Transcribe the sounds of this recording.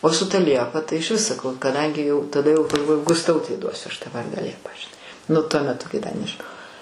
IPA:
oː sʊ ˈtɐ ˈlʲiɛpɐ tɐɪ ɪʃʲˈʋʲɪs sɐˈkɐʊ kɐˈdɐŋʲɡʲɪ jɛʊ tɐˈdɐ jɛʊ ɡɐlˠˈʋoːjʊ ɡʊsˈtɐʊtʲɛɪ ˈduɔsʲʊ ˈɐʃ tɑː ˈʋɐrdɑː ˈlʲiɛpɐ ʒʲɪˈnɐɪ nʊ tuɔ mʲɛˈtʊ kɐɪ dɐ nʲɛʒʲɪˈnoːjɛʊ

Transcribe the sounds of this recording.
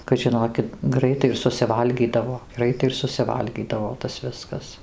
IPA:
kɐt ˈʒʲɪnoːkʲɪt ˈɡrɐɪtɐɪ ɪr sʊsʲɪˈʋɐlʲɡʲiːdɐʋoː ˈɡrɐɪtɐɪ ɪr sʊsʲɪˈʋɐlʲɡʲiːdɐʋoː tɐs ˈʋʲɪskɐs

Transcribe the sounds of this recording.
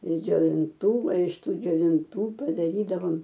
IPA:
ɪr d͡ʒʲoːʋʲɪnˈtuː oː ɪʃ ˈtuː d͡ʒʲoːʋʲɪnˈtuː pɐdɐˈrʲiːdɐʋoːm

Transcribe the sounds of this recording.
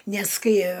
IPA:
nʲɛs ˈkɐɪ

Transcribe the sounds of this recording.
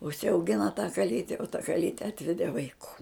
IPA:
ʊʃʲsʲɛʊˈɡʲɪnɐ tɑː kɐˈlʲiːtʲɛ oː tɐ kɐˈlʲiːtʲɛ ˈɑːtʲʋʲɛdʲeː ʋɐɪˈkuː

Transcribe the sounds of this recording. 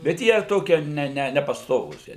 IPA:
bʲɛt ˈjiɛ ˈtoːkʲiɛ ˈnʲɛ ˈnʲɛ nʲɛpɐsˈtoːʋuːs ˈjiɛ

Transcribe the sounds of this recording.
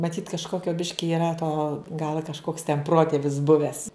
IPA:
mɐˈtʲiːt kɐʃˈkoːkʲoː ˈbʲɪʃʲkʲɪ iːˈrɐ toː ɡɐlˠ ɐ kɐʃˈkoːks tʲɛn ˈproːtʲeːʋʲɪs ˈbʊʋʲæːs

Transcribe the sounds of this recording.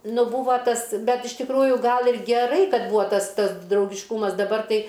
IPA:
ˈnʊ ˈbuːʋɐ ˈtɐs ˈbʲɛt ɪʃ tʲɪkˈruːjʊ ˈɡɐlˠ ɪr ɡʲɛˈrɐɪ ˈkɐt ˈbuːɐ ˈtɐs ˈtɐs drɐʊɡʲɪʃˈkuːmɐs dɐˈbɐr ˈtɐɪ

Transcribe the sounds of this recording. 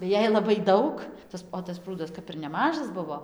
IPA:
tɐɪ ˈjɛɪ ˌlˠɑːbɐɪ ˈdɐʊk ˈtɐs oː tɐs ˈpruːdɐs ˈkɐp ɪr nʲɛˈmɑːʒɐs ˈbʊʋoː

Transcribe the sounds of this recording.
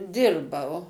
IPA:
ˈdʲɪrbɐʊ

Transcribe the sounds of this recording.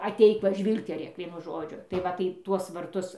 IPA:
ɐˈtʲɛɪk ˈʋɐ ˈʒʲʋʲiːlˠktʲɛrʲeːk ˈʋʲiɛnʊ ˈʒoːd͡ʒʲʊ tɐɪ ˈʋɐ tɐɪ ˈtuɔs ʋɐrˈtʊs

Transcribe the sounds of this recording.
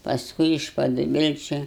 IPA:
pɐsˈkʊɪ ɪʃ pɐdʊˈbʲɪlʲt͡ʃʲʊ

